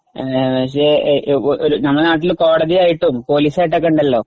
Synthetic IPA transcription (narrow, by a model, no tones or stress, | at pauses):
pɐkʂeoʔoɾunɐmːɭnaːʈ̬ːilko̞ːɽɐðiaːjiʈːumpo̞ːliːsaːjiʈ̬ːekːɐɳɖɐlːo̞ː